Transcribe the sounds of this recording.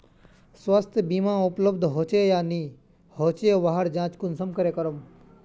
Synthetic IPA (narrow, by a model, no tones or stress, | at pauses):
swɐst̪ʰbiːmãːupləbd̪ʱɦoːt͡ʃejaːniː | ɦoːt͡ʃeʋaɦəɾd͡ʒãːt͡ʃkʊnsəmkəɾeːkəɾəm